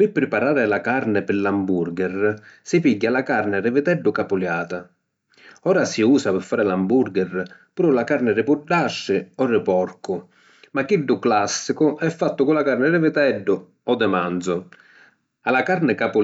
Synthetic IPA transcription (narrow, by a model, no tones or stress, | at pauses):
pɪpːɾɪpaɾaːɾɪlakaɾnɪpɪlambuɾɡɛrsɪpiɟːalakarnɪrɪvɪd̪ɛɖːʊkapʊljaːt̪a | ɔːɾasiuːsapɪɾfːaːɾɪlambuɾɡɛrpuːɾʊlakaɾnɪrɪpurɖaʃːɪɔrːɪpɔrkʊ | makiɖːʊklasːikʊʔɛfːat̪ːʊkʊlakaɾnɪrɪvɪt̪ɛɖːʊ | ɔd̪ːɛmand̪zʊ | alakarnɪkapʊ